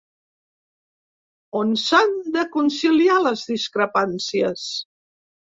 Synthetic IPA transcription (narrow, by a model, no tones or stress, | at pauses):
onsand̪əkunsilialəzðiskɾəpansiəs